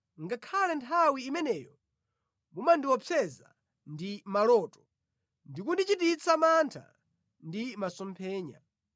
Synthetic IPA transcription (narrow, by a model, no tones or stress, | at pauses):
ŋɡakʰalɛntʰawiːmɛnɛjɔ | mumandiwɔpʰɛza | ndimalɔtɔ̥ | ndikundit͡ʃitit͡sʰamantʰa̰ | ndimasɔmpʰɛːɲa̰